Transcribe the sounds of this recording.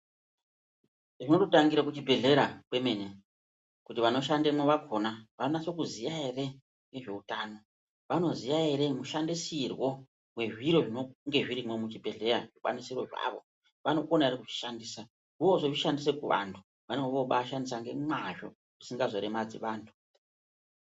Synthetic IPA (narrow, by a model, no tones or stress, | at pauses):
ʐino̞tutaŋɡiɾakut͡ʃibʱe̞ɮe̞ɾakwe̞mene | kutiʋano̞ʃandemoʋakʰo̞naʋanonasokuzijaere̞ | ŋɡe̞ʐe̞utano̞ | ʋano̞zijaeɾe̞muʃandisirwo̞ | we̞ʐiɾo̞ʐinoŋɡe̞ʐiɾimwe̞mut͡ʃibʱe̞ɮe̞ɾaʐikwa̰nisiro̞ʐa̰ʋo̞̰ | ʋano̞konaeɾikut͡ʃi̥ʃandiːsa | uo̞ʐoʐiʃandis̬e̞kuʋa̰ntʰu | ʋano̞ʋoɓaʃandis̬aŋɡe̞mwaʐo̞̰ | ʐisiŋɡazo̞ɾemad͡zḭʋaːntʰu̥